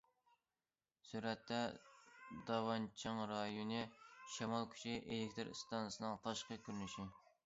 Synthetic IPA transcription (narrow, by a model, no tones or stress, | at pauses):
syɾɛt̪ʰːɛ | d̪ɑwɑnt͡ʃʰɨŋɾɑjonɨʃɑmɑlˠkʲʰy̥t͡ʃʰiʔelek̚ʲt̪ɨɾ̰st̪ɑnsɨnɨŋt̪ʰɑʃqəkʲyɾynyʃi